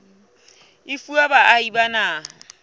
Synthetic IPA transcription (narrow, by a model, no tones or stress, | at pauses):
ɪfuabaʔaibanaː